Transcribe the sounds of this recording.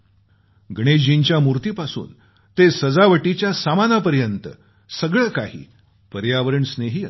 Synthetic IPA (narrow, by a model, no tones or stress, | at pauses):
ɡɽ̃ed͡ʑd͡ʑiɲt͡ɕjamuɾt̪iːpasṵːn | t̪esəd͡zaʋəʈit͡ɕjasamanapəɾjənt̪ə̰ | səɡɭəkaɦḭː | pəɾjaʋəɾəɳsneɦiː